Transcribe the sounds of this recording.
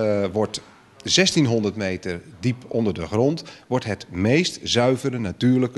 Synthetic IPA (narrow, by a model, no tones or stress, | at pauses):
ʋɔɹt | z̥ɛstinɦɔndərtmejtərdipʰɔndərdəχrɔntʋɔɹtɦətmejstz̥œɥvəɾənatyːrləkə